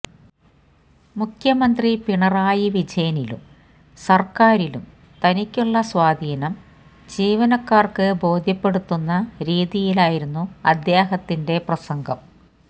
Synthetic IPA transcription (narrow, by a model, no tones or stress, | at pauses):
mukʰjɐmɐnd̪ripiɳɐraːjiʋid͡ʑɐjɐnilṵm | sɐrkaːɾilum | t̪ɐnikʲːuɭːɐswaːd̪ʱiːnɐm | d͡ʑiːʋɐnɐkːaːrkɨbo̞ːd̪ʱjɐpːe̞ɽut̪ːunːɐɾiːðijilaːjiɾunːuɐd̪jaːɦɐt̪ːinde̞prɐsɐŋɡʱɐm